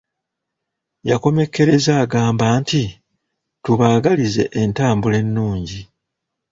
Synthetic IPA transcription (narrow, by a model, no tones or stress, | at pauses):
jako̞me̞kːe̞ɾe̞zaːɡaːmbaːnti | tuβaːɡalize̞ʔentaːmbule̞nːuːɲɟi